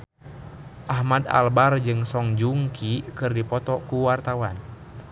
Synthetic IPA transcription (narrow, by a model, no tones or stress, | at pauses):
ʔahmad̪a̰lbard͡ʒɨŋsɔŋd͡ʒuŋkʰikɨrdipɔt̪ɔkuwart̪awan